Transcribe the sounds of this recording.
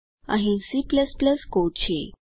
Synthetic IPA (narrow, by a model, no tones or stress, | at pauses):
ã̰ɦĩsipləspləskot͡ɕḛ